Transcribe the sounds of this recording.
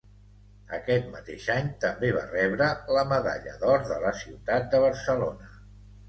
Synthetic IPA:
əkɛt̪mət̪eʃaɲt̪əmbeβ̞a̰rɛβɾələməða̰ʎə̰ðɔɾðələsiwt̪at̪̚d̪əβəɾsəlonə

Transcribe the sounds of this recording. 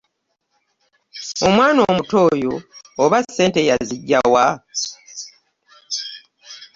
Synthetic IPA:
omwaːnoːmuto̞ːjoːβasːe̞ːnte̞jaziɟːawa

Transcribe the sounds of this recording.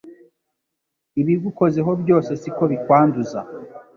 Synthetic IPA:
iβiɡuko̞ze̞ɦo̞bjo̞ːse̞siko̞βikwaːnduza

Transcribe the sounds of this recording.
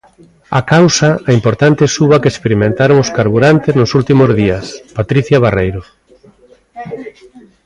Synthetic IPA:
akawsaaimpoɾt̪ant̪ɪesuβakespeɾimẽnt̪aɾoŋoskaɾβuɾant̪eznʊsult̪imozðiaspat̪ɾiθjaβ̞arejɾo

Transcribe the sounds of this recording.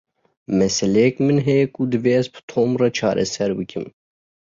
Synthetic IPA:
mɛsɛlɛjɛkmɨnɦɛjɛkud̪ɨveɛzbɨ̥t̪ʰoːmrɑt͡ʃʰɑːɾʔɛ̰sɛɾbɨkʲɨm

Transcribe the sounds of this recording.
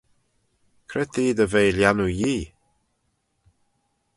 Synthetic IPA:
kʰɾɛt̪iːd̪əvejljanujiː

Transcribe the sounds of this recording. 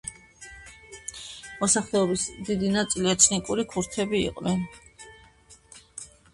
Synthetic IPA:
mɔsaχlɛɔbisd̪id̪inat̪sʼiliɛt̪ʰnikʼuɾikʰuɾt̪ʰɛbḭːqʼnɛn

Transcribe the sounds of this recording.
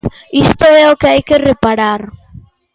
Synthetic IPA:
ist̪oɾeaokeajkerepaɾaɾ

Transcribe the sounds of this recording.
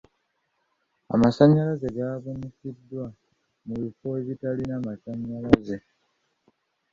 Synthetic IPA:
a̰masaɲːalazeɡaːβunisidːwa | muβifo̞eβitalinamasaɲːalaze

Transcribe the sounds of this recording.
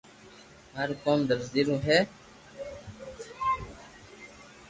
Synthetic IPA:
ɦəɾkoːmd̪əɾzd̪iɾũɦeː

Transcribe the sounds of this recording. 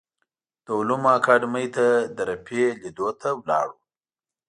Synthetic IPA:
d̪̥əʊlumɑkɑɖməjt̪ad̪əɾapʰelid̪ot̪ʰawlɑ̰ɽu

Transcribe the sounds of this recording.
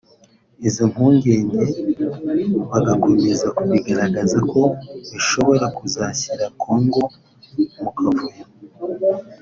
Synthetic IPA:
iziŋ̥huːŋɡe̞ːɲɟe̞ | βaɡako̞me̞zakuβiɡaɾaɡazako̞βiʃo̞βo̞ɾakuzaçiɾakʰoːŋɡo̞ | mukʰavuja

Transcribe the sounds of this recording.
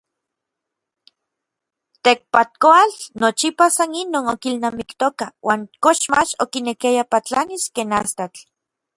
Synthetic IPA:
t̪ek̚pat̪̚koalnot͡ʃipasaninoːnokilnamikt̪okawʔaːŋkoʃmat͡ʃo̰kinekiajapat͡ɬaniskeːnast̪at͡ɬ

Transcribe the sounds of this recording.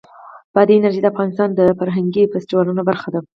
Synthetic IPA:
b̥ɑd̪əɪnaɾʒid̪əafɣɑnɪst̪ɑnd̪əfaɾɦaŋɡifɪsʈiwɑlunobaɾxad̪a

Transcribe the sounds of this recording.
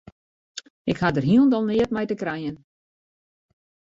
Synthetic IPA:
ɪkhadərɦiəlˠndɔlˠnɪət̚mɛjtəkrɾɛjən

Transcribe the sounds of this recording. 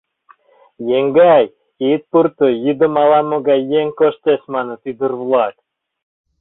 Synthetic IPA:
jeŋɡæj | et̪̚purt̪ɨjid̪ɨ̆mɑlˠɑmoɡɑjeŋkoʃt̪esʲmɑnɤ̆t̪id̪ɨɾvlˠɑk̪

